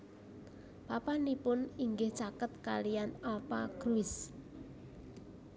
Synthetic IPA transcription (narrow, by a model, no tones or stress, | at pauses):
b̥apanipʊniŋɡɪht͡ʃakət̪̚kalijanɔpaɡ̥ɾuɪs